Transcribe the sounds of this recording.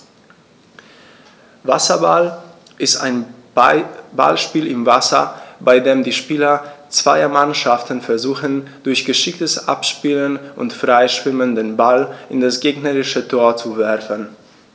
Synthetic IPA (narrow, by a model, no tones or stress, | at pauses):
vasɐbal | ʔɪstaɪn | ba̰lʃpiːlɪmvasɐ̰baɪdeːmdiːʃpiːlɐt͡sv̥aɪɐmanʃaftn̩fɛɐzuːxənd̥ʊɐçɡ̥əʃɪktəsʔa̰pʃpiːlənʔʊ̰ntfʁ̥aɪʃv̥ɪməndənbalʔɪndasɡ̥eːɡnəʁɪʃətʰoːɐt͡suvɛɐfən